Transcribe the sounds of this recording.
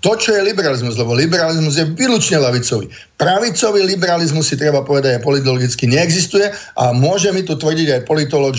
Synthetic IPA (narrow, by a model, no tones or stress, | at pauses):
t̪ɔt͡ʃɔjɛlibɛɾalizmuzlɛbɔlibɛɾalizmuzjɛʋiːlut͡ʃɲɛlɛʋit͡sɔʋḭ | pɾaʋit͡sɔʋilibɛɾalizmusːit̪ɾɛbapɔʋɛd̪aɟɛpɔlit̪̬ɔlɔɡit͡skiɲɛːɡzist̪ujɛʔa̰mʊɔʒɛmit̪ut̪ʋr̩ɟiɟajpɔlit̪ɔlɔɡ